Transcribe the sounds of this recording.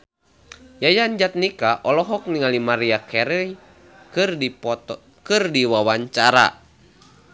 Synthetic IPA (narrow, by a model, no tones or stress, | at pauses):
jajaɲd͡ʒat̪̚nikaʔɔlɔɦɔk̚niŋalimaɾiakɛɾəj | kɨrdiwawaɲt͡ʃaɾa̰